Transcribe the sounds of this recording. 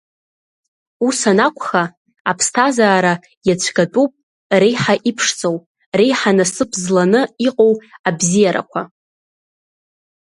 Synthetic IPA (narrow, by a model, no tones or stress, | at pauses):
usanakʷʰʼχaː | pʰstʰazaːɾa | jat͡ɕʷʰɡatʼupʼ | rejħaʔipʰʂt͡sʼow | rejħanasɨpʰzlanɨiqʼowabzijaɾa̰kʷʰa